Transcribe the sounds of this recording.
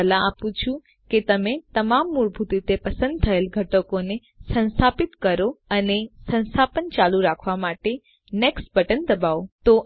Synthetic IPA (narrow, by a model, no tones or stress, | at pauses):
əlãapũt͡ʃʰũ | ket̪əmet̪əmamːuɭbʱut̪it̪epəsə̃nd̪̚t̪ʰəelɡʱəʈəkone | sə̃nst̪ʰapit̪kəɾoənesə̃ñst̪ʰapənt͡ʃalũɾakʰʋamaʈe | nɛksʈbəʈənd̪əbaot̪o